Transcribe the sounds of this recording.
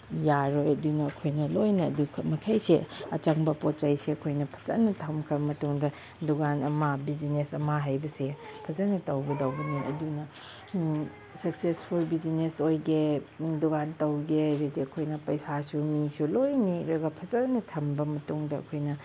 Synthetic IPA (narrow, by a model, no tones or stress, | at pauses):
jaɾojɐdunɐːkʰojnɐlojnɐɐ̰dukʰɐmɐkʰajsḛɐt͡ʃɐŋbɐpot̚t͡ʃajseɐkʰojnɐpʰɐ̥zɐ̰nːɐtʰɐmkʰɾɐbɐmɐtuŋdɐ | duɡanɐmabid͡ʒinesɐmaɦajbɐsepʰɐzɐnɐtɐwɡedɐwbɐniʔɐ̰dunɐ | sɐksespʰulbid͡ʒinesojɡeduɡantɐwɡeɾediɐkʰojnɐpɐjsasumisulojniɾɐɡɐpʰɐzɐnɐtʰɐmbɐmɐtuŋdɐɐ̰kʰojnɐ